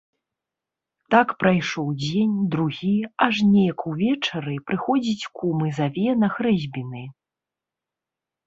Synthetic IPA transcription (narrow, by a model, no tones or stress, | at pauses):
t̪akpɾajʂɔwd͡zʲenʲd̪ɾuɣʲiaʐnʲejɐkuvʲɛt͡ʂɐɾɨpɾɨxɔd͡zʲit͡sʲkumɨzavʲɛnɐxɾɛzʲbʲinɨ